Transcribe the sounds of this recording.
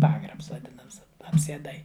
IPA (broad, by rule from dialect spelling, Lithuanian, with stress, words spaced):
ˈpɑːɡrɐps ʋɐˈdʲɪnɐms ɐpʲsʲiɛˈdɐɪ